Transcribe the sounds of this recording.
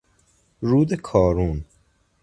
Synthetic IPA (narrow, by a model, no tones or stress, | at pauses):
ɾuːd̪ekʰɒːɾun